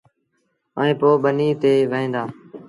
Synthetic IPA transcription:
ə̰ẽːpoːɓəniːt̪eːʋeẽːnd̪aː

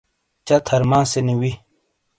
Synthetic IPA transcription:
t͡ʃat̪ʰɐɾmãːseniwi

